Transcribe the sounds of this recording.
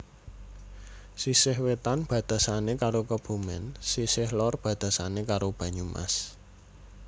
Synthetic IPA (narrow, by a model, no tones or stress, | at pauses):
sisɪɦwet̪anb̥ä̤d̪̥a̤sanekaɾokəb̥ṳmɪ̰nsisɪhlɔrb̥ä̤d̪̥a̤sanekaɾob̥ä̤ɲumʔa̰s